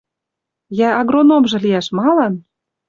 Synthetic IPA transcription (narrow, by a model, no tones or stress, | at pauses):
jæɑɣronomʒɤ̆liæʃmɑlɑn